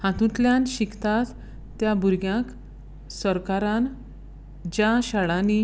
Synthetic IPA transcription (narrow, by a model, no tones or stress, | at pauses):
hãt̪ũt̪ljãnɕikʰt̪at̪ː | jabuɾɡjãk | səɾkaɾan | d͡ʑaɕaɭani